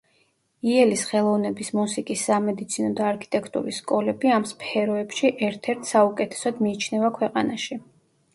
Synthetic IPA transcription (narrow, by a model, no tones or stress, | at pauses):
iɛlisχɛlˠɔvnɛbismusikʼisːamɛd̪it̪sʰinɔd̪aːɾkʰi̥t̪ʼɛkʰt̪ʼṵɾisːkʼɔlɛbiamspʰɛɾɔɛpʃiʔɛɾt̪ʰɛɾt̪ʰsaukʼɛt̪ʰɛ̥sɔd̪miːt͡ʃʰnɛvakʰwɛqʼanaʃi